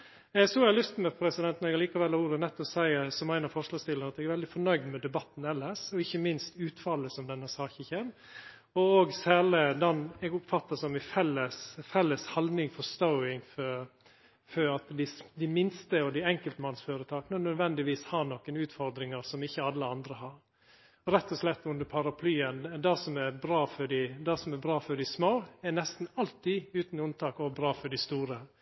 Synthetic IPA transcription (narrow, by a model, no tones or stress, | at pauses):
ɛɡsɔːɛlʏst̪mɛpʰɾɛsɪd̪ɛnt̪nɔɾɛɡliːkɑʋɛlhɑɾuːɾənɛt̪ːɔsæɪsɔmæɪnɑfɔɾʂɭɑːst̪ɪlːənɑt̪ɛɡæɾʋɛld̪ɪfɔɳœʏɡd̪mɛd̪ɛbɑt̪ːn̩ɛlːəʂɔɪçːəmɪnst̪ʉːt̪fɑlːəsɔmd̪ɛnːəsɑːçəçɛn | ɔoːɡsæːləd̪ɑnɛɡʊpfɑt̪ːɑsɔmɪfɛlːəsfɛlːəshɑld̪nɪŋfɔst̪ɔʊɪŋfɔ | fɔɾɑt̪d̪ɪsd̪ɪmɪnst̪əɔd̪ɪɛŋkəlt̪əmɑnsføːɾət̪ʰɑːkənənœd̪ʋɛnd̪ɪʋiːshɑnɔkːənʉːt̪fɔɾd̪ɾɪŋəɾsɔmɪçːəɑlːəɑnd̪ɾəhɑɾ | ɾɛt̪ːɔslɛt̪ːʉnd̪əɾpʰɑɾɑpʰlyːənd̪ɛsɔmɛɾbɾɑːfɔɖɪd̪ɑsɔmɛbɾɑːfɔɖɪsmoːɛnɛst̪n̩ɑlt̪ːɪʉːt̪nʉnt̪ʰɑːkɔbɾɑːfɔɖɪst̪uːɾə